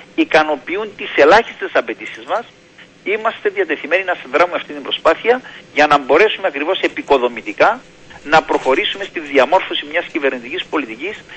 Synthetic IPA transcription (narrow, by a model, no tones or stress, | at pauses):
ikɐno̞piunt̪ise̞lɐçi̥st̪e̞sɐpe̞t̪isizmɐs | imɐst̪e̞ðiɐt̪e̞θime̞ninɐsiðɾɐmumeɐft̪int̪imbɾo̞spɐθiɐʝɐnɐmbo̞ɾe̞sumeɐkɾivo̞se̞piko̞ðo̞mit̪ikɐ | nɐpɾo̞xo̞ɾisume̞st̪inðiɐmo̞ɾfo̞simɲɐscive̞ɾnit̪icispo̞lit̪icis